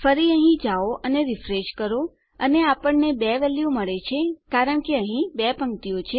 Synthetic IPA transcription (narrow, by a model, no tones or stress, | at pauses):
fəɾiəɦĩd͡ʒaoʔəneɾifɾeʃkəɾo | əneapəɳːebɛʋɛljuməɭet͡ʃʰekaɾəɳkeəɦĩbɛpə̃ŋkt̪iot͡ʃʰe